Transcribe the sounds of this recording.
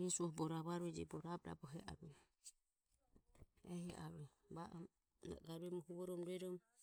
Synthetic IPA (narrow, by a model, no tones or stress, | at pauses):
ɛsuɔbɔɾaβaɾuɛd͡ʒɛ̰bɔɾabɾa̰bɔɦɛʔa̰ɾɛ | ɛhɛʔaɾɛ | baʔ | a̰ɡaɾuɛmɔhuβɔɾɔmɾuɛɾɔm